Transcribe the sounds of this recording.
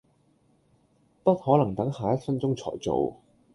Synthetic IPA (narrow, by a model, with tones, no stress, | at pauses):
pɐ˥t̚hɔː˨˥lɐ˨˩ŋt̪ɐ˨˥ŋhaː˨jɐ˥t̚fɐ˥nt͡sʊ˥ŋt͡sʰɔ̰ː˨˩jt͡so̰˨˧w